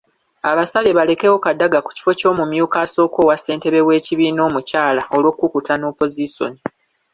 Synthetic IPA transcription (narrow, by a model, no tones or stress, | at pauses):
aβasaleβale̞ke̞wo̞kadːaɡaku̥ci̥fo̞co̞ːmumjuːkaːso̞ːko̞ːwasːe̞ːnte̞βe̞βwe̞ːciβiːno̞ːmucaːlao̞lo̞ːkːukutano̞ːpo̞ziso̞̰ni